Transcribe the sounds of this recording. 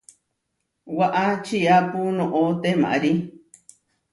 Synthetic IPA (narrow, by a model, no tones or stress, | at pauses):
waʔat͡ʃiapunõʔot̪emã̰ʔɾi